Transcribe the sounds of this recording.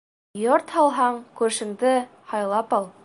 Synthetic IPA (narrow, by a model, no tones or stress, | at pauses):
joɾt̪hɑlˠɦɑɴkʉɾʃɘ̆md̪ɘ | hɑjlˠɑpɑlˠ